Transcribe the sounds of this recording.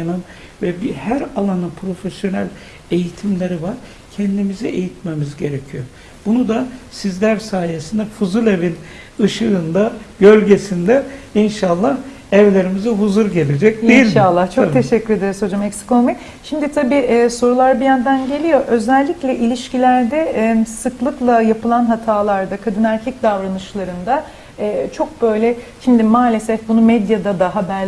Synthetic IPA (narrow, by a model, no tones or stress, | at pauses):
anɯn | vɛbihæɾalˠanɯnpʰɾo̞fesjo̞næ̰lʲ | e̞jit̪ʰimlʲe̞ɾivaɾ̥ | cʰɛnd̪imizɛʔejit̪̚memizɟe̞ɾecʰijo | b̥unud̪asizlʲæɾsaːjesind̪ɛfuzulʲe̞vin | ɯʃɯɯnd̪abø̞lʲɟe̞sind̪ɛinʃalˠːah | ɛvlʲe̞ɾimizɛɦuzuɾɟe̞lʲed͡ʒɛc̚d̪ejiʃalˠːaht͡ʃʰokt̪ʰe̞ʃɛcʰːyɾe̞d̪eɾizho̞d͡ʒamɛcsi̥komi | ʃimd̪it̪ʰabiːʔɛːso̞ɾulˠaɾbijænd̪ænɟe̞lʲijo̞ʔø̞zælʲːiclʲɛʔilʲiʃcilʲæɾd̪ɛsɯklˠɯklˠajapɯlˠanɦat̪ʰaːlˠaɾd̪akʰad̪ɯnæɾcʰɛc̚d̪avɾanɯʃlˠaɾɯnd̪a | ɛːt͡ʃʰo̞k̚bø̞jlʲɛʃimd̪imaːlʲe̞sɛfbunumɛd̪jad̪ad̪aɦabæɾ